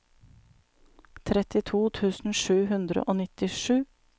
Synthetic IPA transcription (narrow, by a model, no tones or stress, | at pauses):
t̪ʰɾɛt̪ɪt̪ʰuːt̪ʰʉːsn̩ʃʉːɦʉnd̪ɾə̰ʔoːnɪt̪ɪʂʉː